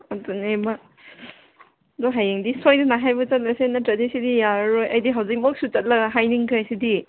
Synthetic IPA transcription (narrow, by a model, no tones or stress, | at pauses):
atuneba | dɔɦajeŋdisojnɐnaɦajbɐt͡ʃɐt̚lɐsenɐtɾadisidijaɾojɐjdiɦawzik̚mɔk̚sut͡ʃɐt̚lɐɡɐɦajniŋkʰajsidi